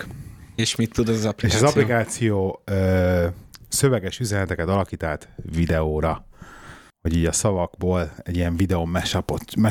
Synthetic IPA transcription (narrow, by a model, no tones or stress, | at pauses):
eʃmit̪ːud̪ɛzɒzɒplieʃɒzɒplikaːt̪sijoːøː | sø̞vɛɡɛʃyzɛnɛt̪ɛkɛt̪ɒlɒkiːt̪aːt̪vid̪ɛoːɾɒ | ho̞ɟiːɟɒsɒvɒɡboːlɛ̰ɟijɛɱvid̪ɛomːɛʃɒpot̪mɛ